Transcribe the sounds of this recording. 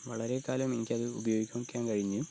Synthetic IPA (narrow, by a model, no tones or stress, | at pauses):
ʋɐɭɐɾe̞kaːlɐmenikʲːɐðɨubɐjo̞ːɡikʲːumkʲːaːmkɐɻiɲːu